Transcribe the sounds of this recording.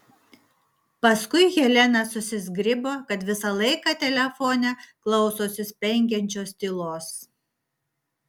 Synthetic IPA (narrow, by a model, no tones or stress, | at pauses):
pɐskʊɪɣʲɛlʲɛnɐsʊsʲɪzʲɡɾʲɪboːkɐt̪ʋʲɪsɐlˠɐɪkɑːt̪ʲɛlʲɛfoːnʲɛklˠɐʊsoːsʲɪsʲpʲɛŋʲɡʲɛnʲt͡ʃʲoːsʲt̪ʲilˠoːs